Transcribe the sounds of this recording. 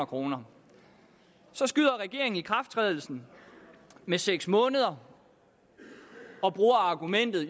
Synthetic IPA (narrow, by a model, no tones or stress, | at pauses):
ɐkʰʁo̝ːnɐ | sɒ̽sɡ̥yðˠɐʁɛɡ̥e̝ɐ̰e̝ŋn̩ikʰʁafd̥t͡sʰʁɛːð̞ˠl̩sn̩ | meseɡ̥smɔ̽ːnəð̞ˠɐ | ɒ̽b̥ʁuːɐɑ̈ɡ̥umen̰d̥ð̩ˠ